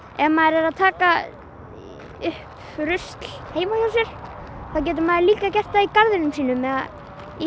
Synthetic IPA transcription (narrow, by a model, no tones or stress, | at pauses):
ɛmaðɛɾɛɾaðt̪ʰaːka | ʏhp | ɾʏst̪lheːjmajaːwsɛɾ̥θaðwc̬ɛːt̪̬ʏmaðɪɾliːkacɛr̥t̪aikaɾðɪnʏmsiːnʏmːɛða̰ | i